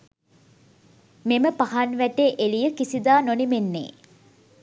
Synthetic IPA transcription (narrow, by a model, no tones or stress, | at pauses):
meməpaɦanʋæʈeʔelijəkisid̪aːnonimenːḛː